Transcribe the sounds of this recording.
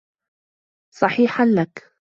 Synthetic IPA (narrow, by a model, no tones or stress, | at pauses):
sˤɑħiːħanlak